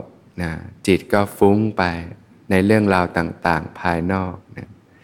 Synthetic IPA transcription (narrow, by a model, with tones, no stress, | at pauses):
na˦˥t͡ɕi˨˩t̪̚kɔː˥˩fu˦˥ŋpa˧j | na˧jɾɯ˥˩əŋɾaː˧wt̪aː˨˩ŋt̪aː˨˩ŋpʰaː˧jnɔː˥˩k̚na˦˥